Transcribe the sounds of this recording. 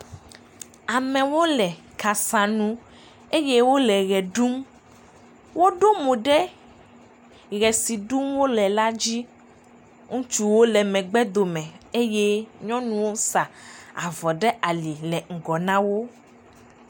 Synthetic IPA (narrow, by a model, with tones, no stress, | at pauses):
a˨mɛ̃˨wo˦lɛ˨ | ka˨sã˨nũ˦ | e˦je˦wo˦lɛ˨ɣɛ˨ɖu˦m | wo˦ɖo˦mõ˨ɖɛ˦ | ɣɛ˨si˨ɖu˦mwo˦lɛ˨la˦d͡ʑi˦ | ŋũ˦t͡ʃu˦wo˦lɛ˨mɛ̃˨ɡ͡bɛ˦d̪o˨mɛ̃˨e˦je˦ɲɔ̃˦nũ˦wo˦sa˨a˨vɔ˨ɖɛ˦ʔa˨li˨lɛ˨ŋ̩˨ɡɔ˨nã˦wo˦